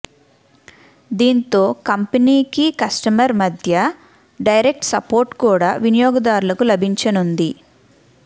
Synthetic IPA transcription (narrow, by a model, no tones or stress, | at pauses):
d̪iːnt̪o̞ːkɐmpɐniːkikɐsʈɐmɐɾmɐd̪ʱjɐ | ɖɐjɾe̞k̚ʈsɐpoːɾʈkuːɽaːʋinijɔːɡɐd̪aːɾulɐkulɐbʱiɲt͡ʃɐnund̪i